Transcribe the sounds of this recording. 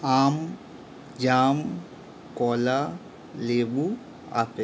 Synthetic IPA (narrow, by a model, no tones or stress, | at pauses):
aːm | d͡ʒaːm | kɔːla | leːbu | a̰ːpe